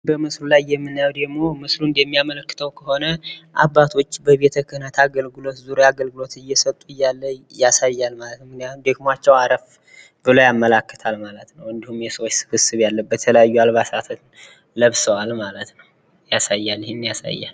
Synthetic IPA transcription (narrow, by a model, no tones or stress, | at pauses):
bəmɨslulajːɛmːɨnːajawd̪əɡmo̞mɨslund̪ɛmːijamələkːɨ̥t̪ʰəwkʰəho̞nəʔabːat̪ʰo̞t͡ʃːbəβe̞t̪ʰəkʰɨhnət̪ʰaɡəlɡɨlo̞t̪zuɾojaɡəlɡɨlo̞t̪ɨjːɛsət̪ʼːuɨjːalːəjasajːalmalət̪nmɨknijat̪umd̪ekmat͡ʃːɛwaɾəf | bɨləjamːəlakːə̥t̪ʰalmalət̪nəwɨnd̪ihumjɛsəwot͡ʃːsɨ̥fɨsɨβjalːəbːət̪ʰələjajːualβasat̪ʰən | ləβsəwalmalət̪nəw | jasajːalːhenːjasa̰jːa̰l